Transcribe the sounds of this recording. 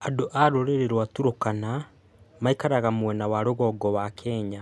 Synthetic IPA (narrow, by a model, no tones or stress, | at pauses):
adoʔaɾoɾeɾeɾwatuɾokana | maikaɾaɣamwɛnawaɾoɣɔɡɔwakʰeːɲa